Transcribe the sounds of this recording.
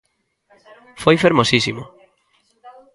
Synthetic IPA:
fojfeɾmosisimo

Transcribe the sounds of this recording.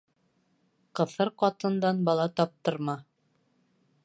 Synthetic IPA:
qɤ̆θɤɾqɒt̪ɤ̆nd̪ɑnbɒlˠɑt̪ɒp̚t̪ɤ̆ɾmɑ

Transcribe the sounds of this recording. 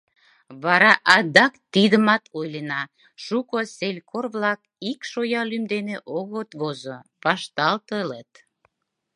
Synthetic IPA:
βɑɾɑʔɑd̪ɑkt̪id̪əmɑt̪ojlenɑ | ʃukoselʲkorβlɑk | ikʃojɑlymd̪eneʔoɣot̪ɣozo | βɑʃt̪ɑlt̪ələt̪

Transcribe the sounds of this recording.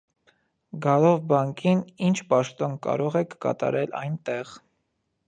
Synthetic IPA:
ɡɑlɔvbɑŋkinint͡ʃʰpɑʃt̪ɔnkɑ̰ɾɔʁɛkkɑ̰t̪ɑ̰ɾɛlɑ̰jnt̪ɛʁ

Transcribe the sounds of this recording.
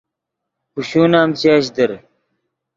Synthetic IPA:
puɕuːnaːmt͡ɕaːɕ̬d̪ɐɾ

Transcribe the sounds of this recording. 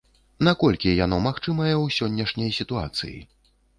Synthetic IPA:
nakɔlʲkʲijanɔmaxt͡ʂɨmɐjɛwsʲɔnʲːɐʂnʲɐjsʲit̪ua̰t̪sɨ̰jḭ

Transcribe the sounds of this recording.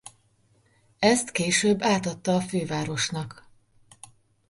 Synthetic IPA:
ɛst̪keːʃøːbːaːt̪ɒt̪ːɒːføːvaːɾo̞ʃnɒk

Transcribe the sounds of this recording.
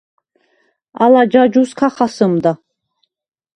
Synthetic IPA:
alad͡ʒad͡ʒuskʰaχasɨmd̪a

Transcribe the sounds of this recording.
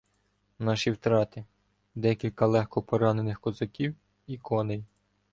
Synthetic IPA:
nɑʃiwt̪ɾɑt̪ɪ | d̪ɛkʲilʲkɐlˠɛxkɔpɔɾɑnenɪxkɔzɐkʲiw | ikʰɔnej

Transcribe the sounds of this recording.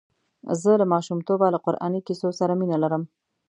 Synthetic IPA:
zəlamɑʃumt̪obalaqʊɾʔɑ̰nikisosaɾaminalaɾəm

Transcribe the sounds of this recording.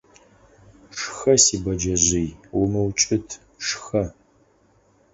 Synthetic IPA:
ʂxɐsiːbɐd͡ʒɐʑʷijwʊmɨwt͡ʃʼɪtʰ | ʂxɐ

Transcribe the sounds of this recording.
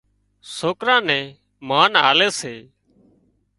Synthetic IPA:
soːkɾãːnɛ̃ː | maːnɦaːleːseː

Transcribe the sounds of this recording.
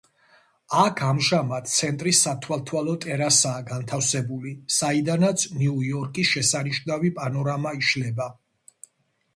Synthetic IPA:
akʰamʒamat̪̚t̪sʰɛnt̪ʼɾisːat̪ʰwalˠt̪ʰwalɔt̪ʼɛɾasaːɡant̪ʰafsɛbulisaid̪anat̪sʰniujɔɾkʼisʃɛsaniʃnavipʼanɔɾamaiʃlɛba

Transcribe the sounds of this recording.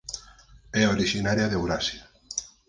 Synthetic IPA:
ɛoɾiʃinaɾjaðewɾasja

